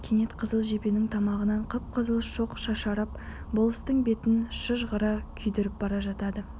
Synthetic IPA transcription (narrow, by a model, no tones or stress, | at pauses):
kʲʰenet̪qʰəzəlˠʒe̞pe̞nɪŋt̪ʰɑmɑʁənɑɴqʰəp̚qʰəzəlˠʃoqʃɑʃɑɾɑp̚ | bolˠəst̪əɴbe̞t̪ɪnʃəʒʁəɾɑkʲʰʏjd̪ɪɾɪp̚bɑɾɑʒɑt̪ɑd̪ə